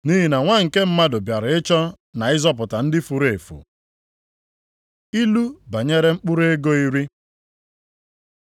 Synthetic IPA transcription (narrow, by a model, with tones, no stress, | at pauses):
ni˦ɦi˨na˨ŋʷa˦ŋ̩˨ke˦m̩˦ma˦dʊ˨bja˨ɾe˦t͡ʃɔ˦ | na˨ɪ˦zɔ˦p̬ʊ˨ta˨n̩˦dɪ˦fu˨ɾe˨fṵ˨ | i˦lu˦ba˨ɲe˦ɾe˦ŋ͡m̩˦k͡pʊ˦ɾe˦ɡo˦i˦ɾi˦